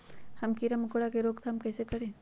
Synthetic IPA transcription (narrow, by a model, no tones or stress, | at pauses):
hɐmkiɾəməkoɽakeɾoːɡt̪ʰaɐmkɛːsekɐɾẽː